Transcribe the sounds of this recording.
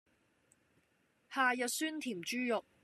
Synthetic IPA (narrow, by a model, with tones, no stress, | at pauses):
haː˨jɐ˨t̚syː˥nt̪ʰiː˨˩mt͡ʃyː˥jʊ˨k̚